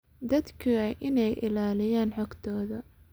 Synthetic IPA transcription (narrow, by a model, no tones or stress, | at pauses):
d̪ɐd̪kʰiɐʔɪnɛjʔɪ̰laːlɪjaːnħɔːɡt̪ʰɔːðɐ